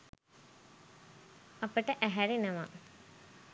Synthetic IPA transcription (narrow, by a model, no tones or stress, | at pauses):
ɐpəʈəʔæɦæɾenəʋa